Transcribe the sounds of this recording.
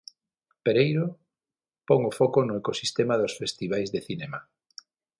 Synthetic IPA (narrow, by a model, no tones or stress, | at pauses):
peɾejɾo | pɔŋʊfɔkonʊekosist̪emaðosfest̪iβ̞ajzðeθinema